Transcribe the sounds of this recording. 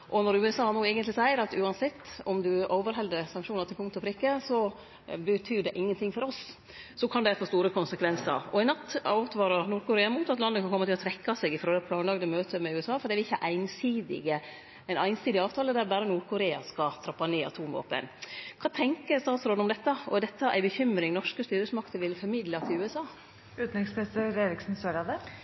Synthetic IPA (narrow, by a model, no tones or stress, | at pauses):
ʔɔnɔɾʉːɛsɑːnuːɛːɡənt̪lɪsæɪəɾɑt̪ʉːɑnsɛt̪ːɔmd̪ʉoːʋəɾɦɛld̪əɾsɑŋkʂuːnət̪ɪlpʰʊŋt̪ʊfɾɪkːəsɔ | bət̪ʰyːɖɛʔɪŋːənt̪ʰɪŋfɔɾɔs | sɔkʰɑnd̪ɛfoːst̪uːɾəkʰʊnsəkʰʋɛnsə̰ɾɔɪnɑt̪ːɑʉt̪ʋɑːɾɑɾnuːɾkʰʊɾeːɑmuːt̪ɑt̪lɑnːəkʰɑnkʰɔmːət̪ɪlɔt̪ʰɾɛkːɑseːɡɪfɾoːd̪ɛpʰlɑːnlɑɡd̪əmøːt̪ʰəmɛʉːɛsɑːfɔɾɖ̪ɛæʋɪçːəʔæɪnsiːd̪ɪ̰ɡə | ɛɪnæɪnsiːd̪ɪɑːʋt̪ʰɑːləd̪æɾbæːɾənuːɾkʰʊɾeːɑ̰skɑt̪ʰɾɑpːɑneːɑ̰t̪ʰuːmʋo̰ːpə̰nkʰɑːt̪ʰɛŋkəɾst̪ɑːt̪sɾoːd̪ʊmd̪ɛt̪ːɑɔd̪ɛt̪ːɑʔæ̰ɪbəçʏmɾɪŋnɔʂkəst̪yːɾəsmɑkt̪əɾʋɪlfɔɾmɪd̪lɑt̪ʰɪʉːɛsɑː | ʉːt̪nɪŋspɛsəɾeɾɪksn̩søːɾɑd̪ə